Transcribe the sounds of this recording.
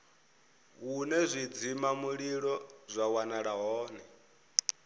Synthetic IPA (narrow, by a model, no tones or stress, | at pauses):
ɦunɛzʷid͡zimamuɺiɺɔzʷawanaɺaɦɔːnɛ